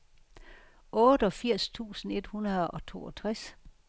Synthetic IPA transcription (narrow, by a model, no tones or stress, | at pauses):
ʔɔ̽ːd̥ɒ̽fiɐ̰st͡sʰṵːsn̩e̝d̥hunɐðˠɒ̽t͡sʰo̝̰ːɒt͡sʰʁas